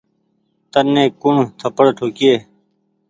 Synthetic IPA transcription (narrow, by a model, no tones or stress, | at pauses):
t̪ənːeːkuɳt̪ʰəpəɽʈʰoːkieː